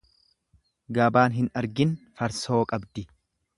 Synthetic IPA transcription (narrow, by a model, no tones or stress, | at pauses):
ɡɐbaːnɦɪnɐɾɡɪnfɐɾso̞ːkʼɐbd̪ɪ